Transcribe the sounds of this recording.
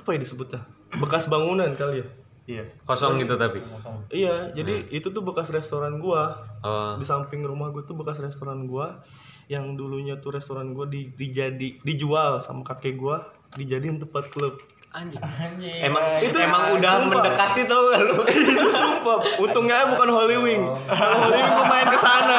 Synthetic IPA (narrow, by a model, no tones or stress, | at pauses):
su̥pajadisəbʊt̪ɲa | bəkasbaŋunankalia | ijakosɔŋɡit̪ut̪apiʔijad͡ʒadiit̪ut̪ʊbəkasrɛst̪oɾanɡua | bisampɪŋɾumahɡuat̪ubəkasrɛst̪oɾanɡua | jaŋduluɲat̪ʊɾɛst̪oɾanɡuadidid͡ʒadidid͡ʒualsa̰makakɛɡua | did͡ʒadiunt̪upat̪̚kələp̚ | emaŋit̪uemaŋudaməpnadəkat̪it̪aukaloiusumpaunt̪ʊŋɲabukanɦoliwɪŋ | alɦoliwɪŋpəmaɪnkəsana